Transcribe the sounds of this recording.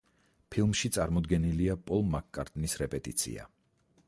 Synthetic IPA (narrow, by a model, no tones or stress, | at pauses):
pʰilˠmʃit̪sʼaɾmɔd̪ɡɛniliapʼɔlˠmakkʼːaɾt̪ʼnisɾɛpʼɛt̪ʼit̪sʰḭa̰